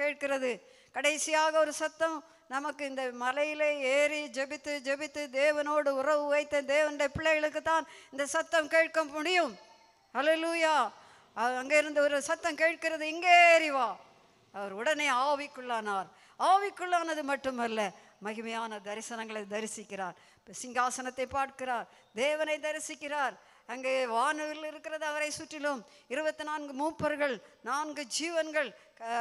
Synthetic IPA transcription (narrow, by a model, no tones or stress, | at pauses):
keːʈ̚kɪrɐðɯ | kɐɽɐɪsɪjaːɣɐɔɾɯsɐt̪ːɐm | nɐmɐkːɯɪnd̪ɐmɐlɐjɪleːeːɾid͡ʒɛbɪt̪ːɯd͡ʒɛbɪt̪ːɯd̪eːʋɐnoːɽɯʊrɐʋɯʋɐɪt̪ːɐd̪eːʋɐnɽɐɐpɪɭːɐɣɐɭɯkːɯt̪ːaːnɪnd̪ɐsɐt̪ːɐmkeːʈ̚kɐmːʊɽɪjɯm | hɐleluːjaː | ɐɐŋɡeːɪɾɯnd̪ɐɔɾɯsɐt̪ːɐmkeːʈ̚kɪrɐðɯɪŋɡeːɾɪʋaː | ɐʋɐɾʊɽɐneːaːʋɪkːɯɭːaːnaːɾ | aːʋɪkːɯɭːaːnɐðɯmɐʈːɯmɐlːɐ | mɐɣɯmɐjaːnɐd̪ɐɾɪsɐnɐŋɡɐɭɐɪd̪ɐɾɪsɪkːɪraːɾ | sɪŋɡaːsɐnɐt̪ːɐɪpːaːʈkɪɾaːɾ | d̪eːʋɐnɐɪd̪ɐɾɪsɪkːɪraːɾ | ɐŋɡeːʋaːnɐʋɪlɪɾɯkːɪɾɐðɯɐʋɐɾɐɪsʊʈːɪlɯm | ɪɾɯbɐt̪ːɪnaːnɡɯmuːpːɐɾɣɐɭnaːnɡɯd͡ʒiːʋɐnɡɐɭ